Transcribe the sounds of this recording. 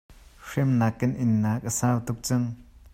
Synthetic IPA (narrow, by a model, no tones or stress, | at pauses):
ʂemnakːɛnʔinːaːkʼasaːwt̪uk̚t͡saŋ